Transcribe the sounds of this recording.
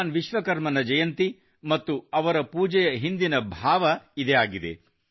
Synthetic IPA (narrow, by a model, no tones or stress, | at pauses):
nʋiʃʋɐkɐɾmɐnɐd͡ʒɐjɐnt̪i | mɐt̪ːuɐʋɐɾɐpuːd͡ʒɛjɐɦind̪inɐbʱaːʋɐid̪eaːɡid̪e̞̰